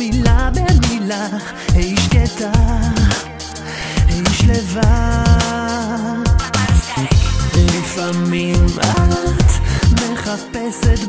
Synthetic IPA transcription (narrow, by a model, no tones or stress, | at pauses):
ilabemila | hejʃket̪a | hejʃleva | lifamimʔat̪me̞χapɛset̪